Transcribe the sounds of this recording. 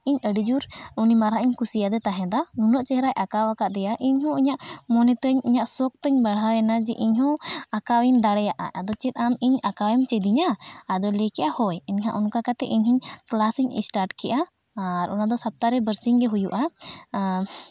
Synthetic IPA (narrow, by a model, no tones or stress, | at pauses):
iɲəɖid͡ʒuɾunimaɾaʔiɲkusijad̪ɛt̪aɦɛ̃d̪amunɔʔt͡ʃɛɦɾajʔakawakaʔd̪ɛjaʔiɲhɔ̃iɲaʔmɔnɛt̪əɲiɲaʔsɔk̚t̪əɲbaɽawɛnad͡ʒɛʔiɲɦɔ̃akawiɲd̪aɽɛjaʔa̰ʔad̪ɔt͡ʃɛt̪̚ˀamiɲakawɛmt͡ʃɛd̪iɲaːd̪ɔlɛkɛʔahɔjɛɲhãʔunkakat̪ɛʔiɲɦiɲklasiɲḭsʈaɾʈkɛʔaː | ɾʔɔnad̪ɔsap̚t̪aɾɛbəɾsiŋɡɛɦujuʔa